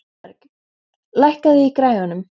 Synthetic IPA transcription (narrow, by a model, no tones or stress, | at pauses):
lajhkaðɪikɾaːjɣanʏm